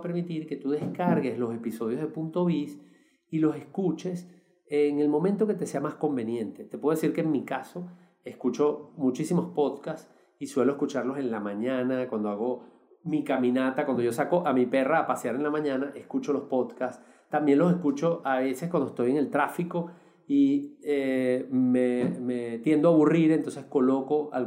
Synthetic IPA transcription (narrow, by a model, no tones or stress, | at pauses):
peɾmit̪iɾke̞t̪uðe̞skaɾɣe̞slo̞se̞piso̞ð̞jo̞zðepunt̪o̞βis | ilo̞se̞skut͡ʃe̞s | eŋe̞lmo̞mẽnt̪o̞ke̞t̪e̞se̞amasko̞mbe̞njẽ̞nt̪e̞t̪epweðesiɾkeŋmikaso̞ | e̞skut͡ʃo̞mut͡ʃisimospo̞ðkas | iswe̞loe̞skut͡ʃaɾlo̞se̞nlamãɲãnakwand̪oaɣo̞ | mikamĩnat̪akwand̪o̞d͡ʒo̞sako̞ʔamipe̞raːpasjaɾenlamãɲãnaʔe̞skut͡ʃo̞lo̞spo̞ðkas | t̪ːambje̞ŋlo̞se̞skut͡ʃo̞ʔaβe̞seskwand̪oest̪o̞je̞ŋe̞lt̪ɾafiko | iememet̪je̞nd̪oaβuriɾent̪o̞nse̞sko̞lo̞ko̞a̰l